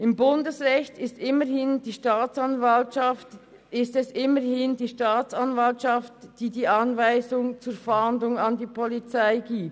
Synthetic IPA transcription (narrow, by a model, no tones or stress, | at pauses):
ʔɪmbʊndəsʁɛçtɪstʔɪməhɪndiːʃtaːt͡sɑnvalʃɑft | ɪstɛsɪməhɪndiːʃtaːt͡sɑnvaltʃɑftd̥iːdiːʔɑnvaɪzʊŋt͡suːɾfandlʊŋɑndiːpʰɔlit͡saɪɡiːp̚t